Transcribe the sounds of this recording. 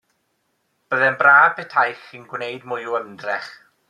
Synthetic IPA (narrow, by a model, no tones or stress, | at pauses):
b̥əðɛnbrḁːpʰɛtʰajχinɡwnejdmʊjuəmdrɛχ